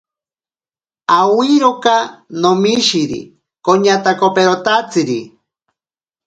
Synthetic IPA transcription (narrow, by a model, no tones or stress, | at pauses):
awiɾokanomiʃiɾḭ | koɲat̪akopeɾot̪at͡sɨɾi